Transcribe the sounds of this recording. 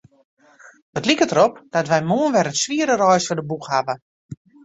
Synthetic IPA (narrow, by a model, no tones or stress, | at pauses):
ətlikətəɾɔp̚d̥ɔtʋɛjmoənʋɛɾətsʋiəɾərɔjsfɔdəbuxhavə